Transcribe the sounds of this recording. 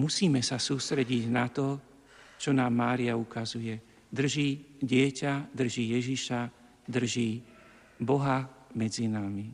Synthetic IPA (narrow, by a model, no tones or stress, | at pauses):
musiːmɛsasuːst̪ɾɛɟiɟnat̪ɔ | t͡ʃɔnaːmːaːɾiaukazujɛ | d̪r̩ʒiːɟɪɛcad̪r̩ʒiːjɛʒiʃa | d̪r̩ʒiː | bɔɦamɛd͡zinami